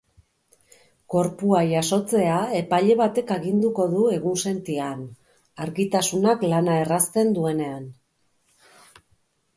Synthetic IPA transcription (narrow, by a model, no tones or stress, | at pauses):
ko̞ɾpuajaso̞t͡se̞ae̞paʎe̞βat̪e̞kaɣind̪uko̞ðue̞ɣunse̞nt̪ian | aɾɣit̪asunaklanae̞rast̪e̞nd̪ue̞ne̞an